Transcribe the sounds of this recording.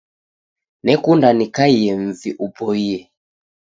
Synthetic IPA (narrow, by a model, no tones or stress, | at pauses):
nɛkundanikaiɛm̩viʔubɔiɛ